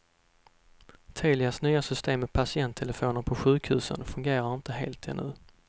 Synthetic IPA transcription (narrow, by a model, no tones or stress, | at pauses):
t̪ʰeːlɪasnyːasʏst̪eːmːɛpʰasɪɛnt̪ʰːɛləfoːnəɾpʰɔɧʉ̟ːkhʉ̟ːsə̰nfɵŋɡeːɾaɾɪnt̪əɦḛːlt̪ʰɛ̰nːɵ̟̰ː